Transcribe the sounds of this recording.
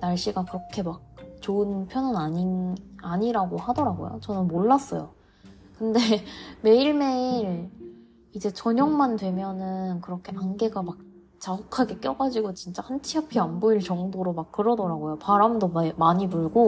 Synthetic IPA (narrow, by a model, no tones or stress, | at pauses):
naɭɕ͈iɡakɯɾʌkʰe̞mak̚t͡ɕoɯnpʰjʌnɯnaɲiaɲiɾaɡohadʌɾaɡo̰jo̰t͡ɕʌnɯnmoɭːas͈ʌ̰jo̰ | kɯnde̞me̞iɭme̞iiɾ | id͡ʑe̞t͡ɕʌɲʌŋmandwe̞mjʌnɯnkɯɾʌkʰe̞anɡe̞ɡamak̚ | t͡ɕaukʰaɡe̞k͈jʌɡad͡ʑiɡot͡ɕint͡ɕ͈ahant͡ɕʰiapʰiamboiɭt͡ɕʌŋdoɾomak̚k͈ɯɾʌdʌɾaɡojopaɾamdommaɲipuɭɡo